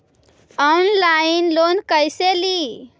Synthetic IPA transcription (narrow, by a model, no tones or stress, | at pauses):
ɔnlainlonkəjseli